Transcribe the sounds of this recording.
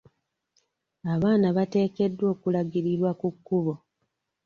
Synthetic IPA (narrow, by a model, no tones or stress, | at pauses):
aβaːnaβate̞ːke̞dːwo̞ːkulaɡiɾiɾwakukːuβo